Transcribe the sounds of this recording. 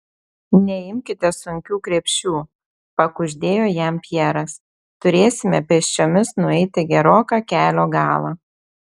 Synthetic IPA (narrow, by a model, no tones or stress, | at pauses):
nʲɛɪmʲkʲɪt̪ʲɛsʊŋʲkʲuːkɾʲɛpʲʃʲt͡ʃʲuː | pɐkʊʒʲd̪ʲeːjoːjɛmpʲjɛɾɐs | t̪ʊɾʲeːsʲɪmʲɛpʲɛʃʲt͡ʃʲoːmʲɪsnʊɛɪt̪ʲɪɡʲɛɾoːkɑːkʲæːlʲoːɡɑːlˠɑ̰ː